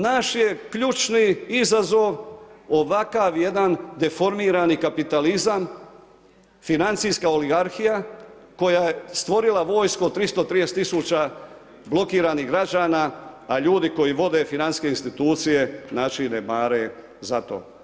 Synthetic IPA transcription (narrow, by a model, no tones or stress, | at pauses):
naʃje̞kʎut͡ʃniizazo̞ʋo̞ʋakaʋje̞d̪and̪e̞fo̞ɾmiːɾanikapit̪alizam | finant̪sijskao̞liɡaɾxijako̞jaje̞st̪ʋo̞ɾilaʋo̞ːjskuot̪ɾist̪o̞t̪ɾijeset̪ːisuːt͡ɕa | blo̞kiːɾaniɦɡɾad͡ʒaːnaaʎuːd̪iko̞jiʋo̞d̪e̞finant̪ske̞inst̪it̪uːt̪sije̞nat͡ʃinemaːɾe | zat̪o̰ː